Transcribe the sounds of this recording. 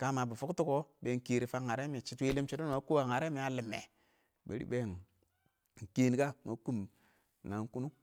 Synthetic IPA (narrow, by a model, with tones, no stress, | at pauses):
ka˦ma˨bu˨fu˦ktu˦ko˦ɓe˨˦ŋ˨˦ke˨ɾi˨fa˦ŋa˨ɾe˦mi˨t͡ʃi˦twe˦le˦mt͡ʃi˦to˦˨a˨˦ku˦wa˨ŋa˨ɾe˦mi˨a˦lɪ˨mːḛ˨ | bḛ˨ɾḭ˦ɓe˦˨n˨ | ŋ̩˨ke˦n˦ka˦ma̰˨˦ku˦m˨ | na˨ŋ˦ku˦nu˦